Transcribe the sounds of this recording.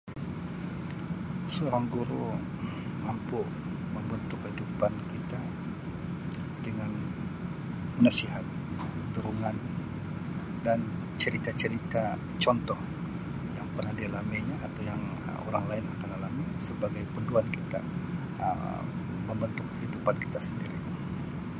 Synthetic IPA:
səoɾaŋɡuɾu | mampu | məmbənt̪ʊkidupankit̪a | dəŋan | nasiɦat̪̚ | əd̪uɾuŋan | dan | t͡ʃəɾit̪at͡ʃəɾit̪a | t͡ʃɔnt̪ɔh | jaŋpərnahdialamaɲaːt̪awjaŋ | ə̰o̰ɾaŋlaɪnakanalamisəbaɡajpunduankit̪a̰ | ə̰ | məmbənt̪ʊkhidupanki̥t̪asəndiɾḭ

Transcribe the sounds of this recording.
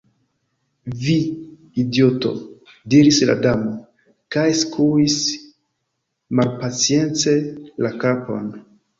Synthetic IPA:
vi | idjoto̞̰ | diɾisla̰damo | kajskʰuis | malpat͡sie̞nt͡se̞lakapo̰n

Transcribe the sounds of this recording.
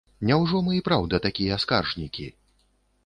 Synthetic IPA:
nʲɛwʐɔmɨipɾawd̪ɐt̪akʲijɐaska̰rʐnʲikʲḭ

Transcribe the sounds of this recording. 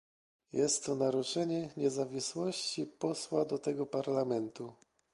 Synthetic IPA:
jɛst̪ːɔnaɾut͡ʂɛɲɛɲɛzavʲiswɔɕt͡ɕipɔswad̪ɔt̪ɛɡɔpaɾlamɛnt̪u

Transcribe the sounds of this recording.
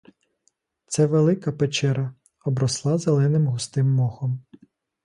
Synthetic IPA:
t̪sɛʋelˠɪkɐpet͡ʃɛɾɐ | ɔbɾɔslˠɑzelˠɛnɪmɦʊst̪ɪmːɔxɔm

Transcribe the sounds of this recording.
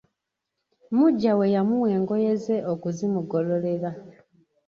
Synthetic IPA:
muɟːawe̞jamuwe̞ːŋɡo̞je̞ze̞okuzimuɡo̞lo̞le̞ɾa

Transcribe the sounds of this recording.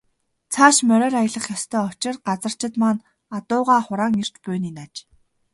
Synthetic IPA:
t͡sʰaːʃmœɾœːɾajə̆ɮə̆χjɔst̪ʰœːɔt͡ɕɪ̆rɢat͡sə̆r̥t͡ɕɪ̆t̪maːn | at̪ʊːʁaːχʊɾaːŋir̥t͡ɕpʊːniːnat͡ɕ

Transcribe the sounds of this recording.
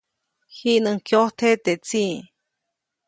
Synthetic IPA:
hiʔnɨŋkjot̪ʰet̪et͡si

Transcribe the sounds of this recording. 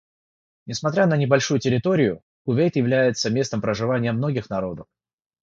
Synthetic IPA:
nʲɪsmɐt̪ɾʲanənʲɪbɐlʲʂujʊtʲɪɾʲɪt̪o̞ɾʲɪjʊ | kʊvʲejt̪jɪvlʲæjɪt̪səmʲe̞st̪əmpɾəʐɨvanʲɪjəmno̞ɡʲɪxnɐɾo̞d̪əf

